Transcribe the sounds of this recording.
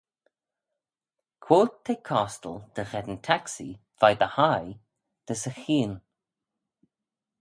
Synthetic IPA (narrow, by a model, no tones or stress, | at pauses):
kʰw̥oːt̪ʰːekʰɔst̪əld̪̥əɣɛd̪ənt̪ʰaksḭ | v̥ajd̪əhaj | d̪̥əsəxiːn